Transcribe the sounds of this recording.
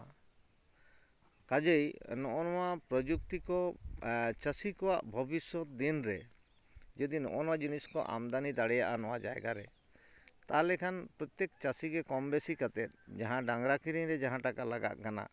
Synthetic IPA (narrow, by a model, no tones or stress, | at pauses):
kad͡ʒejnɔʔɔnɔwapɾɔd͡ʒuk̚t̪ikɔ | t͡ʃəsikɔwaʔbʱɔbisɔt̪̚d̪inɾɛ | d͡ʒɔd̪inɔ̰ʔɔnɔwad͡ʒuniskɔ̰ʔa̰md̪anid̪aɽɛjaʔanɔwad͡ʒaɛ̰ɡaɾɛ | t̪alɛkʰanpɾɔt̪jekt͡ʃasiɡɛkɔmbesikat̪ɛt̪̚ˀd͡ʒaɦãɖãŋɡɾakiɾiɲɾɛd͡ʒaɦãʈakalaɡa̰ʔ̪̚kana̰